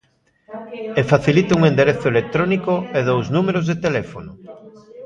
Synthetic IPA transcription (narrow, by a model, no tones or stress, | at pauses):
efaθilit̪ɪuŋend̪eɾeθʊelek̚t̪ɾonikoeðowznumeɾozðet̪elefonʊ